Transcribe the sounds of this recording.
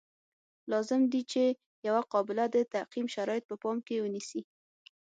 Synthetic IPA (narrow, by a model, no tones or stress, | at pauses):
lɑzɪmd̪it͡ʃe | jawaqɑbɪlad̪ət̪aqimʃaɾɑjɪt̪̚pəpɑmkewənisi